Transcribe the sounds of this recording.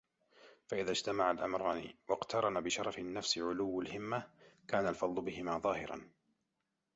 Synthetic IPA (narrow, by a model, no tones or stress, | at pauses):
faʔɪðaːd͡ʒt̪amaʕalʔa̰mɾˤɑːnḭwɑqt̪ʰɑɾˤɑnabɪʃɑɾˤɑfɪnːafsɪʕʊlʊwːalhɪmːakaːnalfɑd̪ˤlʊbɪhɪmaːðˤɑːhɪɾa̰n